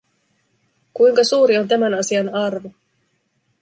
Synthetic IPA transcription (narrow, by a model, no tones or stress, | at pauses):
kujŋkɑsuːɾio̞nt̪æmænɑsiɑnɑrʋu